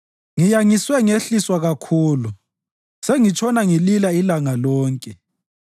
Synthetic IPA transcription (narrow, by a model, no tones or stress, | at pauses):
ŋijaŋiswɛŋeɬiswaɣakʰuːlu | seŋit͡ʃʰʼɔnaŋililailaŋalɔːŋkʼɛ